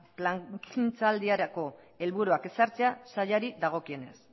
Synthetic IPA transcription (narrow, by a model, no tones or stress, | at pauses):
plaŋknt͡sald̪iaɾako̞ | e̞lβuɾuake̞saɾt͡se̞asaʎaɾiðaɣ̞o̞kie̞ne̞s